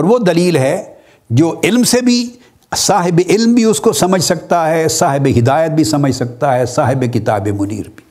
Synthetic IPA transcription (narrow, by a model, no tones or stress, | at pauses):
ɔːɾʋod̪ɐliːlɦɛ | d͡ʒoːɪlmsebʱi | saːɦɪbeʔɪlmbʱiʊskosɐməd͡ʒʱsɐk̚t̪aɦɛsaːɦɪbeɦɪd̪aːjət̪̚bʱisɐməd͡ʒʱsɐk̚t̪aɦɛsaːɦɪbekɪt̪a̰ːbemʊnḭːɾbʱi̥